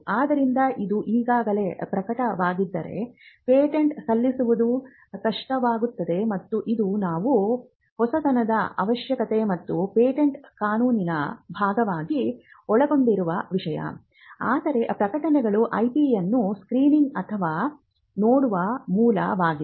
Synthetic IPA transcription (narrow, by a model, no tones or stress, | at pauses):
aːd̪ɐɾind̪ɐʔid̪uʔiːɡaːɡɐle̞ːpɾɐkɐʈɐʋaːɡid̪ːɐ̰ɾe̞̰peːʈeɳʈsɐlːisuʋud̪u | kɐʂʈɐʋaːɡut̪ːɐd̪e̞mɐt̪ːuʔid̪unaːʋu | hɔsɐd̪ɐnɐd̪ɐɐ̰ʋɐʃjɐkɐt̪e̞mɐt̪ːupeːʈeɳʈkaːnuːninɐbʱaːɡɐʋaːɡi | ɔɭɐɡo̞ɳɖiɾuʋɐʋiʂɐjɐ̰ | aːd̪ɐɾe̞pɾɐkɐʈɐnɛɡɐɭuʔɐjʈijɐnːuskɾiːniŋɡɐt̪ʰɐʋaː | noːɽuʋɐmuːlɐ̰ʋaːɡi